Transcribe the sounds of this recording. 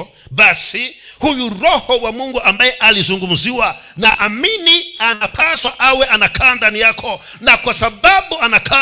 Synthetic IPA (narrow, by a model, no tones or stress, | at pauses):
ɓasihujuɾɔhɔwamuŋɡuʔambajɛʔalizuŋɡum̩ziwa | naʔaminianapʰaswaʔawɛʔanakʰandanijakʰɔ | nakwasaɓaɓuanakʰa